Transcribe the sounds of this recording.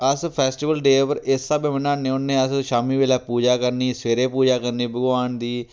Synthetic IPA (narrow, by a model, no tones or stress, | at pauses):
əspʰɛːsʈɪʋəlɖeːʋəɾɪsaːbemənaːnẽːʊnːẽːəsʃaːmiːʋeːlaːpuːd͡ʒaːkəɾniːseːɾeːpuːd͡ʒaːkəɾniːbəɡʋaːnd̪iː